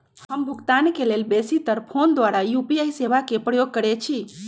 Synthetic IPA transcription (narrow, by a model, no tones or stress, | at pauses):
həmbʱuɡt̪ankelelbesit̪əɾpʰond̪waɾajupiajseβakepɾəjoɡ̚kəɾɛt͡ʃʰi